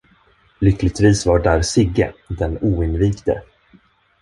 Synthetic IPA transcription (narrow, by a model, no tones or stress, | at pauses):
lʏklɪɡ̚t̪viːsvaɖaɾsɪɡəd̪ɛnuːɪnviːkt̪ə̰